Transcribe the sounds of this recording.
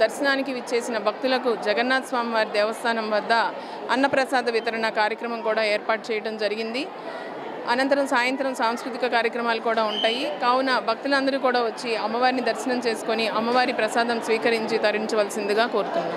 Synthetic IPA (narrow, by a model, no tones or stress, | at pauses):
d̪ɐɾʃɐnaːnikiʋit͡ʃːe̞ːsinɐbʱɐk̚t̪ulɐkud͡ʒɛɡɐnːaːt̪sʋaːmiʋaːɾid̪ɛːʋɐst̪ʰaːnɐmʋɐd̪ːɐ | ɐnːɐpɾɐsaːd̪ɐʋit̪ɐɾɐɳɐkaːɾjɐkɾɐmɐmkuːɽaːeːɾpaːʈ̚t͡ʃɛːjɐʈɐmd͡ʒɐɾiɡind̪i | ɐnɐnt̪ɐɾɐmsaːjɐnt̪ɾɐmsaːmskɾut̪ikɐkaːɾjɐkɾɐmaːlukuːɽaːuɳʈaːjikaːwunɐbʱɐk̚t̪ulɐnd̪ɐɾukuːɽaːʋot͡ʃːiɐmːɐʋaːɾinid̪ɐɾʃɐnɐmt͡ʃe̞ːsu̥koniɐmːɐʋaːɾipɾɐsaːd̪ɐmsʋiːkɐɾiɲt͡ʃit̪ɐɾiɲt͡ʃɐʋɐːlɐsind̪iɡaːko̞ːɾut̪unːd̪i